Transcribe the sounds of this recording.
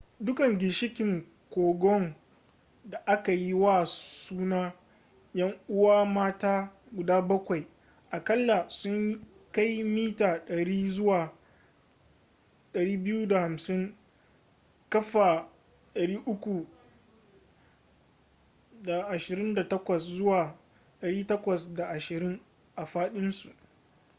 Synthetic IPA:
dʊ˦kɐ˨ŋɡʲɪ˨ʃɪ˦kʲɪ˨ŋ | kʷoː˨ɡɔ˦ŋ | da˨ʔa˦ka˨ji˦waː˦suː˦naː˦ | jɐ˦ŋʔʊ˦waː˦maː˦taː˦ | ɡʷʊ˨daː˦bɐ˦kʷa˨j | ʔa˨kɐ˦lːa˨sʊ˦ɲji˦ | ka˦jmiː˦taː˨ɗɐ˨ɽiː˦zʊ˦waː˨ | ɗɐ˨ɽiː˦bɪ˦juː˦da˨ha˨msɪ˦ŋ | kɐ˦ɸa˨ | ɗɐ˨ɽiː˦ʔʊ˦kʷu˨ | da˨ʔa˨ʃɪ˨ɾɪ˦nda˨tɐ˦kʷɐ˨szʊ˦waː˨ | ɗɐ˨ɽiː˦tɐ˦kʷɐ˨sda˨ʔa˨ʃɪ˨ɾɪ˦ŋ | ʔa˨ɸaː˦ɗɪ˦nsu˨ʔ

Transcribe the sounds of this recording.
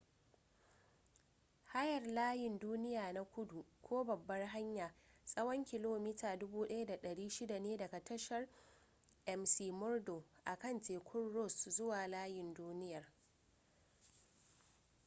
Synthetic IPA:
ha˦jɐ˨rlaː˦jɪ˨nduː˦nɪ˦jaː˨na˦kʷʊ˦du˨kʷoː˦bɐ˨bːɐ˦rɦa˦ɲjaː˨sʼɐ˦wɐ˦ŋkʲɪ˨loː˨miː˦taː˨dʊ˦buː˦ɗɐ˦ja˦da˨ɗɐ˨ɽiː˦ʃɪ˦da˨neː˦dɐ˨ɡa˨tɐ˦ʃɐ˨r | ʔɛ˨msiː˨mʊ˦rdo˨ʔa˨kɐ˦˨nteː˨kʰʷʊ˦rɽɔ˦˨szʊ˦waː˨laː˦jɪ˨nduː˦nɪ˦jɐ˨r

